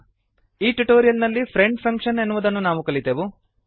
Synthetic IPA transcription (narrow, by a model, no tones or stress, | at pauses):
iːʈuʈoːɾijɐlnɐlːipʰɾe̞ɳɖpʰɐŋkʂɐne̞nːuʋud̪ɐnːunaːʋukɐɭit̪eʋu